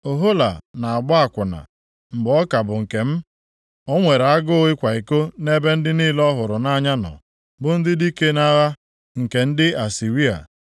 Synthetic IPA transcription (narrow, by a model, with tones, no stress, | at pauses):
o˨ɦo˦la̰˨na˨a˨ɡ͡bɔ˦a˨kʷʊ˨na̰˨ | m̩˨bɔ˦ka˨bʊ˨ŋ̩˨ke˨m̩˦ | o˦ŋʷe˨ɾa˦ɡʊ˦ɣɪ˦kʷa˨i˨ko˦ne˦be˦n̩˦dɪ˦ni˦lɔ˦ɦʊ˨ɾʊ˨na˦ɲa˦nɔ̰˨ | bʊ˦n̩˦dɪ˦di˦ke˦na˦ɣa˦ | ŋ̩˨ke˨n̩˦dɪ˦a˨si˨ɾi˦a̰˨